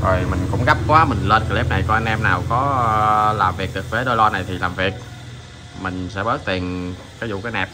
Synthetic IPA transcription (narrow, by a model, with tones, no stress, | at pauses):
zo˨˩jmï˨˩ŋ̟kʊ̰˧˥ŋ͡mɣa˦˥p̚kwaː˨˦mï˨˩ŋ̟ləː˧nkə˨˧˩li˦˥p̚na˨˩jkɔ˧ʔa˧nʔɛ˧mnaː˨˩wkɔ˨˦laː˨˩mvi˨˩k̚ɗɨ˨˩k̚vəː˨˦ɗo˧jlɔ˧na˨˩jt̪ʰi˨˩laː˨˩mvi˨˩ək̚ | mï˨˩ŋ̟sɛ̰˧˥ɓəː˦˥t̚t̪i˨˩ən | kaː˨˦zṵ˧˨kaː˨˦jnɛ˨˩p̚